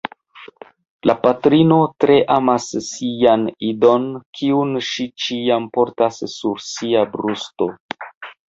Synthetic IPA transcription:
lʔapatɾino̞tɾe̞ʔamasːijanido̞nkʰiunʃit͡ʃiampo̞ɾtasːuɾsiabɾusto̞

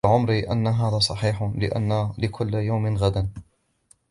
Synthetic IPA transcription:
ʕʊmɾiʔa̰nːaɦaːðaːsˤɑħiːħlɪ̰ʔa̰nːalɪkʰʊlːjawmɪnɣad̪an

